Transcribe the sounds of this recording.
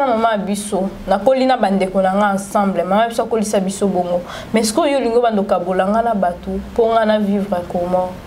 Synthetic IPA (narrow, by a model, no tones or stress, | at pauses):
namamajabisonakolinabandekonaŋɡaãsãmblɛmamabisoakolisabisoboŋɡo | mɛsi̥kooliŋɡobandokabolaŋɡanabatopoŋɡanavivʁɛkomɔ